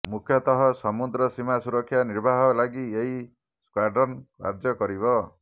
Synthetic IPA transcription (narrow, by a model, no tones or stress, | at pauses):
mukʰjɔt̪ɔɦɔsɔmud̪ɾɔsimasuɾɔkʰːjaniɾbʱaɦɔlaɡieɦi | skwaɾɖɔnkka̰ɾd͡ʒɔkɔɾibɔ